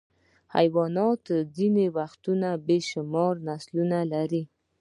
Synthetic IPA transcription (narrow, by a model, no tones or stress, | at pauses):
ha̰jwɑnɑt̪zinewaxt̪unabeʃʊmɑɾnaslunalaɾi